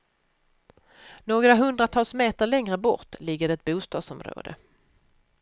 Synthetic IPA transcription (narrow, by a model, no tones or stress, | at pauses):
noːɡɾaɦɵnd̪ɾat̪ʰɑːlsmeːt̪əɾɭɛŋɾəbɔɾt̪lɪɡːəd̪ɛt̪̚buːst̪ɑ̰ːd̪sɔmɾo̰ːd̪ə̰